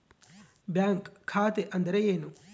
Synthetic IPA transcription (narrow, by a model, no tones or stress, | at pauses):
bjaːŋkkʰːaːt̪eʔɐnd̪ɐɾejeːnu